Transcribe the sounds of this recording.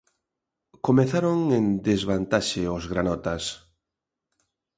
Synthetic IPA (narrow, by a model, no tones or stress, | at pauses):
komeθaɾoŋẽnd̪ezβant̪aʃeozɣɾanɔt̪as